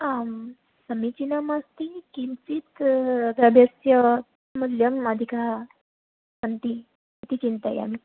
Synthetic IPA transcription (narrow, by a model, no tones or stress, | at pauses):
a | səmit͡ɕinəmast̪ikint͡sit̪ɡɾabʱjəsjə | muljəməd̪ʱika | sənt̪i | t̪it͡ɕint̪a̰ja̰mi